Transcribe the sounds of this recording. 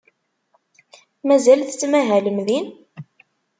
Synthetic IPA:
mæzælθt͡sːmæɦæləmðin

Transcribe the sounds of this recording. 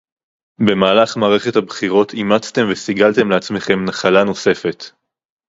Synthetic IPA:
be̞maːlaχmaːʁe̞χe̞thabχiʁo̞t̪ʰimat͡st̪e̞mvesiɡalt̪e̞mleat͡sme̞χe̞mnaχalano̞se̞fe̞t̪

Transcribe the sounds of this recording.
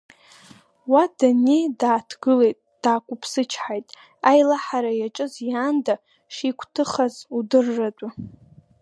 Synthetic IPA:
wadanedaːtʰɡɨle̞jtʼd̥aːkʷʼʊpʰsɨt͡ʃʰħajtʼ | ajlaħaɾajaʈ͡ʂʼɨzjaːnda | ʂikʷʰʼtʰɨχazudɨrːadʷʼa

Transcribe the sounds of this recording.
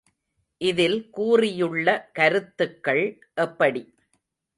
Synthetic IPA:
ʔɪðɪlkuːrɪjɯɭːɐkɐɾɯt̪ːɯkːɐɭ | ʔɛpːɐɽi

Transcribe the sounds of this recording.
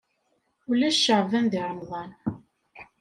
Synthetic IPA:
ulæʃːəʁvænðiɾˤəmðˤɑn

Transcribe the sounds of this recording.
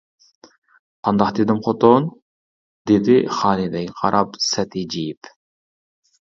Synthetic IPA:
ɑnd̪ɑχd̪ed̪ɪmqʰot̪on | d̪ed̪iχɑːnid̪ɛɡʲiqʰɑ̰ɾʔɑpsæt̪id͡ʒijip

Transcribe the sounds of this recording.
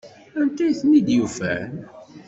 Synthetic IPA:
ænt̪ːæjθnid̪jufæ̰n

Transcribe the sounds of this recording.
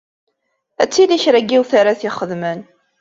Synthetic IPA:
æt͡sːiliçɾæɡːiwθaɾaθiχəðmən

